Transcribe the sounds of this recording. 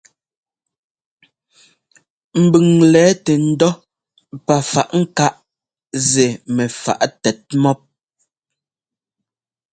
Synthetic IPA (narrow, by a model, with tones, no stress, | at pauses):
m̩˨bʉ˨ŋlɛː˨˦tɛ˨n̩˦dɔ˦ | pa˨fa̰˨ʔŋ̩˦ka˦ʔ | ze˨mɛ˨fa̰˨ʔtɛ˨t̚mɔ˦p̚